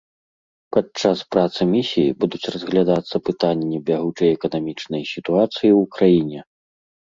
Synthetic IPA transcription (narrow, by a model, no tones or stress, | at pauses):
pat͡ʂaspɾat̪sɨmʲisʲijibud̪ut͡sʲrɐzɣlʲad̪at̪sːɐpɨt̪anʲːɛbʲaɣut͡ʂɐjɛkɐnamʲit͡ʂnɐjsʲit̪uat̪sɨjiukɾajinʲɛ